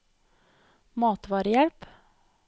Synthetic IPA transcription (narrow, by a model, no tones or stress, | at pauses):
mɑːt̪ʋɑːɾəjɛlp